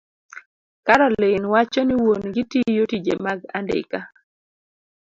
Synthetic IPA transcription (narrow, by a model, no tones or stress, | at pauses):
kaɾɔlɪnwat͡ʃɔniwonɡɪtijotid͡ʒḛmaɡa̰ndɪ̰ka